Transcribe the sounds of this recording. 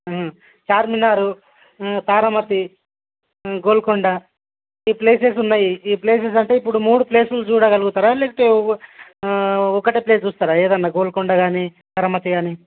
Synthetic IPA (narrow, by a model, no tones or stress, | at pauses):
t͡ʃaːɾminaːɾu | t̪aːɾɐmɐt̪i | ɡoːlkoɳɖa | iːple̞ːseːsunːaːjiiːple̞ːs̬eːs̬ɐɳʈe̞ːipːuɽumuːɽuple̞ːsult͡ʃuːɽaɡɐluɡut̪aːɾalekʈe | ɔkːɐʈiple̞ːst͡ʃuːst̪aːɾaeːd̪ɐnːaːɡoːlkɔɳɖaɡaːni | t̪ɐɾɐmɐt̪iɡaːni